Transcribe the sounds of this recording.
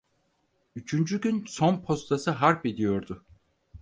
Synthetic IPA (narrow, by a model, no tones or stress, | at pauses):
yt͡ʃʰynd͡ʒyɟynso̞npʰo̞st̪ʰasɯɦaɾped̪ijo̞ɾd̪ʊ